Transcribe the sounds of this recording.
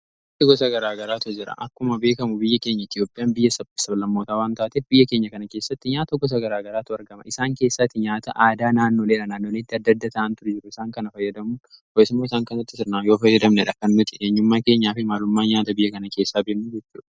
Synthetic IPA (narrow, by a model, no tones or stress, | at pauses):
ɲat̪ːɪɡɔsɐɡɐɾaːɡɐɾaːt̪ɔd͡ʒɪɾɐ̰ʔɐkːʊmɐbeːkɐmʊbɪjːɐke̞ːɲːɐɪt̪jo̞ːpʼɪjaːnbɪjːɐsɐbsɐbɐlɐmːo̞ːt̪aːwaːnt̪aːt̪efbɪjːɐke̞ːɲːɐkɐnɐke̞ːsːɐt̪ːɪɲaːt̪ɐɡɔs̬ɐɡɐɾaːɡɐɾaːt̪ʊɐɾɡɐmɐ̰ʔɪsaːŋke̞ːsːɐt̪ːɪɲaːt̪ɐʔaːd̪aːnaːnːoːleːᶑɐnaːnːoːleːt̪ːɪɐd̪ːɐd̪ːɐt̪aːʔɐnt̪ʊɾʊd͡ʒɪɾʊɪsaːŋkɐnɐfɐjːɐd̪ɐmʊɔɪsɪmːoːɪsaːŋkɐnɐt̪ːɪsɪɾnaːjoːfɐjːɐd̪ɐmnɛᶑɐkɐnːʊt̪ʼɪʔeːɲːʊmːaːke̞ːɲːaːfɪmaːlʊmːaːɲaːt̪ɐbɪjːɐkɐnɐke̞ːsːaːbeːkmʊd͡ʒɛt͡ʃːuːᶑɐ̥ɐ